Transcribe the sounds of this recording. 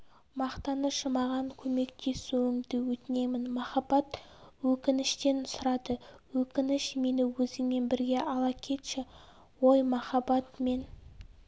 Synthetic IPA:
mɑqt̪ɑnəʃəmɑʁɑŋkʲʰɵme̞kt̪ʰe̞suɪŋd̪ɪwɵt̪ɪne̞mɪnmɑχɑbɑt̪wɵkʲɪnɪʃt̪e̞nsʊɾɑd̪əwɵkʲɪnɪʃme̞nɪwɵzɪŋme̞nbɪɾɡʲe̞ʔɑlˠɑkʲʰe̞t̪ʃɪ | wo̞jmɑχɑbɑt̪me̞n

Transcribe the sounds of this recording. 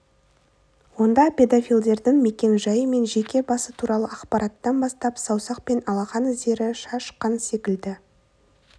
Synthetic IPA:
wo̞nd̪ɑpʲe̞d̪afʲilʲˠd̪e̞ɾd̪ɪŋme̞kʲe̞nʒɑjəme̞nʒe̞kʲe̞bɑsət̪ʰuɾɑlˠəɑqpɑɾʔɑt̪ːɑnbɑst̪ɑpsɑwsɑq̚pe̞nɑlˠɑʁɑnɪze̞ɾɪʃɑʃqənse̞kʲɪld̪ɪ

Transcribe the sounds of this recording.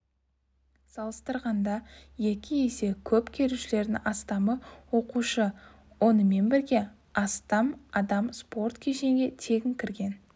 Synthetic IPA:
sɑlˠəst̪əɾʁɑnd̪ɑje̞kʲɪje̞se̞kʲʰɵpkʲʰe̞ɾuʃɪle̞ɾd̪ɪʔɑst̪ɑməwo̞quʃə | wo̞nəme̞nbɪɾɡʲe̞ | ɑst̪ɑmɑd̪ɑmspo̞rt̪kʲʰe̞ʃe̞ŋɡʲe̞t̪ʰe̞ɡʲɪŋkʲʰɪɾɡʲe̞n

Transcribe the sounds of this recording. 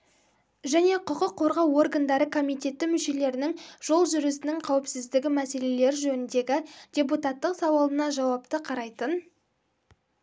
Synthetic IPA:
ʒæne̞qʰʊqəqʰːo̞ɾʁɑwo̞rɡand̪ɑɾəkʰo̞mijt̪ʲe̞t̪ːɪmʏʃe̞le̞ɾɪnɪŋʒ̥o̞lˠʒʏɾɪsɪnɪŋqʰɑwɪpsɪzd̪ɪɡʲɪmæse̞le̞le̞ɾɪʒɵnɪnd̪e̞ɡʲɪd̥ʲe̞p̬ut̪at̪ːəqsɑwɑlˠənɑʒɑwɑpt̪əqʰɑɾɑjt̪ən

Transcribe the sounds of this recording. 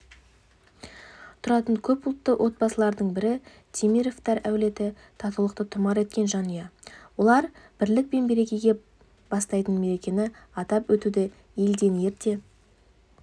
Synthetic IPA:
t̪ʰʊɾɑt̪əɴkʲʰɵpʊlˠt̪ːəwʔo̞t̪̚bɑsəlˠɑɾd̪əɴbɪɾɪ | t̪ʰimiɾo̞ft̪ɑɾæwle̞t̪ɪ | t̪ʰɑt̪əwlˠəq̚t̪ət̪ʰʊmɑɾe̞t̪̚kʲe̞nʒɑnəjɑwo̞lˠɑɾb̥ɪɾlɪk̚pe̞nbe̞ɾe̞kʲe̞jɡʲe̞ | b̥ɑst̪ɑjt̪əɴme̞ɾe̞kʲe̞nɪɑt̪ɑpwɵt̪ud̪ɪ | je̞ld̪e̞nje̞ɾt̪e̞

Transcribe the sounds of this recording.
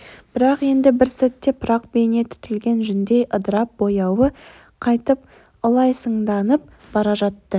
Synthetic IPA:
b̥ɪɾɑqe̞nd̪ɪbɪɾsæt̪ːe̞pʰʊɾɑq̚bejne̞t̪ʰʏ̥t̪ɪlɡʲe̞nʒʏnd̪e̞jʔəd̪əɾɑp̚bo̞jɑwə | qʰɑjt̪əp̚ | ʊlˠɑjsəɴd̪ɑnəp̚ | bɑɾɑʒɑt̪ːə

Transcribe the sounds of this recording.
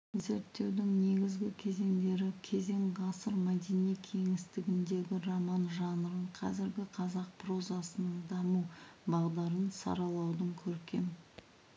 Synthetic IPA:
ze̞ɾt̪ːe̞wd̪ɪŋne̞ɡʲɪzɡʲɪkʲʰe̞ze̞ŋd̪e̞ɾɪkʲʰe̞ze̞ŋʁɑsəɾmæd̪enijkʲʰe̞ŋɪst̪ɪɡʲɪnd̪e̞ɡʲɪromɑnʒɑnəɾəɴqʰɑzɪɾɡʲɪqʰɑzɑq̚pʰro̞zɑsənəɴd̪ɑmubɑʁd̪ɑɾənsɑ̰ɾɑlˠɑwd̪əŋkʲʰɵɾkʲe̞̰m

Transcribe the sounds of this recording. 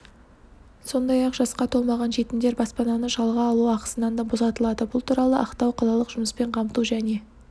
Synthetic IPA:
so̞nd̪ɑjɑqʒ̥ɑsqɑt̪ʰo̞lˠmɑʁɑnʒe̞t̪ɪmd̪eɾbɑspɑnɑnəʒɑlˠʁɑːlˠuɑqə̥sənɑnd̪ɑbo̞sɑt̪əlˠɑd̪əbʊlˠt̪ʰuɾɑlˠəʔɑqt̪ɑwqʰɑlˠɑlˠəqʒ̥ʊməspe̞ɴqʰɑmt̪uʒæne̞

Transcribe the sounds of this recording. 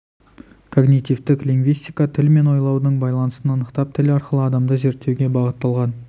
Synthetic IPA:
kʰo̞ɡnit̪ivt̪ɪkliŋɡvijst̪ijkɑt̪ʰɪlme̞nwo̞jlˠɑwd̪əɴbɑjlˠɑnəsənɑnəqt̪ɑp̚t̪ʰɪlɑɾqəlˠəɑd̪ɑmd̪əʒe̞ɾt̪ːewɡʲe̞bɑʁət̪ːɑlˠʁɑn

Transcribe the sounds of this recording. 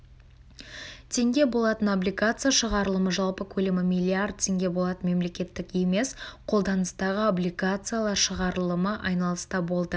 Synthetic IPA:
t̪ʲʰe̞ŋɡʲe̞bo̞lˠɑt̪ənoblʲijɡat̪sɨjaʃəʁɑɾəlˠəməʒɑlˠpəkʲʰɵlemɪmijlʲˠiard̪̚t̪ʰe̞ŋɡʲe̞bo̞lˠɑt̪ənme̞mle̞kʲe̞t̪ːɪke̞me̞sqʰo̞lˠd̪ɑnəst̪ɑʁəoblʲiɡat̪sɨjalˠɑɾʃəʁɑɾəlˠəməʔɑjnɑlˠəst̪ɑbo̞lˠd̪ə

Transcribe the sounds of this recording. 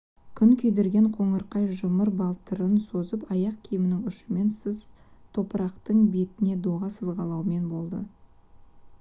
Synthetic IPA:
kʲʰʏŋkʲʰɵjd̪e̞ɾɡʲe̞ɴqʰo̞ɴəɾqɑjʒʊməɾbɑlˠt̪əɾənso̞zəpɑjɑq̚kʲʰijɪmɪnɪŋʏʃɪme̞nsəz | t̪ʰo̞pəɾɑqt̪əɴbe̞t̪ɪne̞d̪oʁɑsəzʁɑlˠɑwme̞nbo̞lˠd̪ə̰

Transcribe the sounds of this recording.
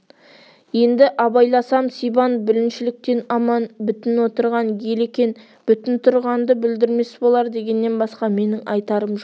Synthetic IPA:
je̞nd̪ɪʔɑbɑjlˠɑsɑmsijbɑnbɪlɪnʃɪlɪk̚t̪e̞nɑmɑnbʏt̪ɪnwo̞t̪əɾʁɑnje̞lekʲe̞n | b̥ʏt̪ɪnt̪ʰʊɾʁɑnd̪əbɪld̪ɪɾme̞sbolˠɑɾd̪e̞ɡʲe̞nːe̞nbɑsqɑme̞nɪŋʔɑjt̪ɑɾəmʒo

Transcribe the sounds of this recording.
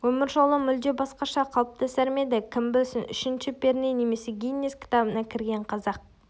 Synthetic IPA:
wɵmɪɾʒo̞lˠəmʏld̪e̞bɑsqɑʃɑqʰɑlˠp̚t̪ɑsæɾme̞d̪ɪkʲʰɪmbɪsɪnʏʃɪnʃɪpe̞ɾnene̞me̞se̞ɡʲijnːeskʲʰɪ̥t̪ɑbənɑkʲʰɪɾɡʲe̞ɴqʰɑzɑq̚

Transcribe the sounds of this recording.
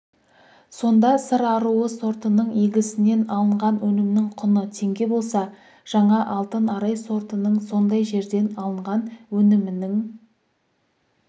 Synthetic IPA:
so̞nd̪ɑsəɾɑɾuwəso̞ɾt̪ənəɴeɡʲɪsɪne̞nɑlˠəɴʁɑnwɵnɪmnɪŋqʰʊnət̪ʰe̞ŋɡʲe̞bo̞lˠsɑ | ʒ̥ɑɴɑʔɑlˠt̪ənɑɾɑjso̞ɾt̪ənəɴso̞nd̪ɑjʒe̞ɾd̪e̞nɑlˠəɴʁɑnwɵnɪmɪnɪŋ

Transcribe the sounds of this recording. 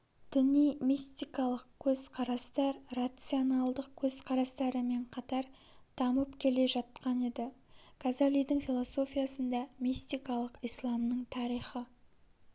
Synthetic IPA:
d̪̥ɪnijmist̪ijkɑlˠəq̚kʲʰɵz̥qʰɑɾɑst̪ɑɾrat̪sɨonɑlˠd̪əq̚kʲʰɵz̥qʰɑɾɑst̪ɑɾəme̞ɴqʰɑt̪ɑɾ | d̪̥ɑməpkʲʰe̞le̞ʒɑt̪̚qɑne̞d̪ɪkʰazalijd̪ɪŋfʲilˠo̞so̞fʲijasənd̪ɑmist̪ijkɑlˠəqijslˠɑmnəɴt̪ʰɑɾijχə

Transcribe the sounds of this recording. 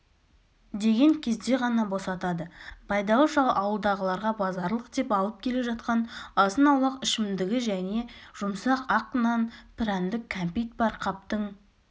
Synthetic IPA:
d̪e̞ɡʲe̞ŋkʲʰe̞zd̪e̞ʁɑnɑbo̞sɑt̪ɑd̪əpʰɑjd̪ɑlˠəʃɑlˠʔɑwəlˠd̪ɑʁəlˠɑɾʁɑbɑzɑɾlˠəq̚d̪e̞pɑlˠəp̚kʲʰe̞le̞ʒɑt̪̚qɑnɑsənɑwlˠɑqɪʃɪmd̪ɪɡʲɪʒæne̞ʒ̥ʊmsɑqɑqːənɑnpʰɾænd̪ɪkʲʰːampijt̪̚bɑɾqʰɑp̚t̪əɴ

